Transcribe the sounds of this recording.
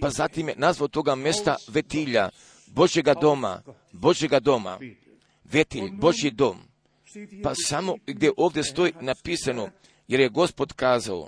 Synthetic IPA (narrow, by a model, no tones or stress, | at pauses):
pazat̪imjenazʋaot̪o̞ɡamje̞st̪aʋe̞t̪iʎa̰ | bo̞ʒje̞ɡad̪o̞ma̰ | bo̞ʒje̞ɡad̪o̞ma̰ | ʋe̞t̪iʎbo̞ʒjid̪o̞m | pasamo̞ɡd̪jeʔo̞ːʋd̪je̞st̪o̞inapiːsano | je̞ɾje̞ɡo̞spo̞d̪kaːzao̰